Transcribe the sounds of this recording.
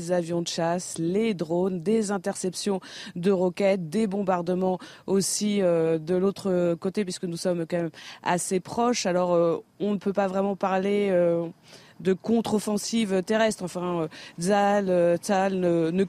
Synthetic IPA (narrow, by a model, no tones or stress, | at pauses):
zavjɔ̃d̪əʃasled̪ʁond̪ezɛ̃t̪ɛʁsɛpsjɔ̃d̪əʁɔkʲɛt̪̚d̪ebɔ̃baʁd̪əmɑ̃ | osiød̪əlot̪χəkot̪epɥiskənusɔmkɑ̃mɛma̰sepχɔʃalɔʁøɔ̃nəpøpavʁɛmɑ̃paʁleø | d̪əkɔ̃t̪χɔfɑ̃sivøt̪eʁɛst̪χɑ̃fɛ̃øzaløsalnənə